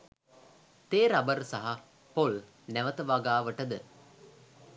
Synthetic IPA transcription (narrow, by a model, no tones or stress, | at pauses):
t̪eːɾabəɾsaɦa | pol | næʋət̪əʋaɡaːʋəʈəd̪ə